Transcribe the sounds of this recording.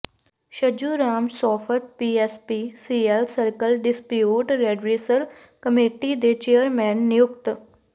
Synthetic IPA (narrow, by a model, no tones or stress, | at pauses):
ʃəd͡ʒuːɾaːmsɔːfət̪̚piːespisiːelsəɾkəlɖɪspjijuːʈɾeːɖɾiːsəɾ | kəmeːʈid̪et͡ʃejəɾmɛːnːɪjʊkt̪